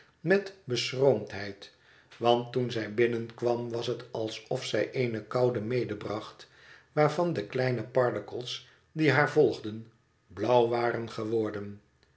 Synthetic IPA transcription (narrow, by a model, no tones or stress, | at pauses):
mɛtbəsrowmtɦɛjt | ʋɑntunzɛjbɪnənkʋɑmʋɑsɦətɑlˠsɔfsɛjʔeɪjnəkɑwdəmejdəbrɑχt | ʋaːɹvɑndəklɛjnəpɑɹdəkəlˠs | diɦaːɹvɔlˠχdən | blɑwʋaːɾənχəʋɔɹdən